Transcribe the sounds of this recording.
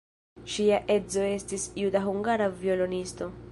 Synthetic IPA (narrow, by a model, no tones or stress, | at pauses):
ʃiaʔe̞zo̞e̞stisjudaɦuŋɡaɾavio̞lo̞nisto̞